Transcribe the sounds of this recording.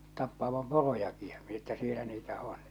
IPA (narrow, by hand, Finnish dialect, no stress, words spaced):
tɑpːɑːʋɑm porojɑki j̊ɑ̥ mi etːæ sielæ niːtæ on